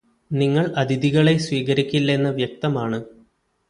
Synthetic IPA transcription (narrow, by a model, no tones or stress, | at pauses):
niŋːɐɭɐd̪ʱiðiɣɐɭe̞sʋiːɣɐɾikʲːilːe̞nːɐʋjɐk̚t̪ɐmaːɳɨ